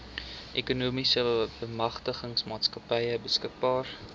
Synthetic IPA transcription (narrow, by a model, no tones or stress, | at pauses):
ʔekunuːmisəbəmɐχtəχəŋsmɑːtskɐpəjəbəskək̚bɑːr